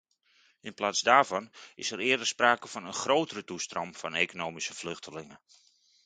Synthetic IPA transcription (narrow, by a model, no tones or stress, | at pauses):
ɪnplaːzdaːɹvɑnɪsəɾɪːdərspraːkəv̥ɔnənχrowtərətustrɔmfɔneːkonoːwmisəflʏxtʰəlɪŋə